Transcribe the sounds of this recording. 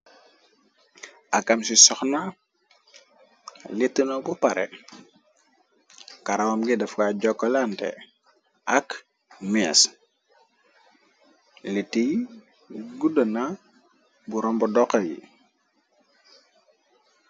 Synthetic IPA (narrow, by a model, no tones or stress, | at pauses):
ɐkɐmsisɔxna | litːunɔbupaɾɛ̰ | kaɾawɐmɡidɐfɡaɟɔkːɔlantɛ̰ | ʔɐk | mia̰s | litːij | ɡudəna | buɾɔmbɔdɔkːɐjḭ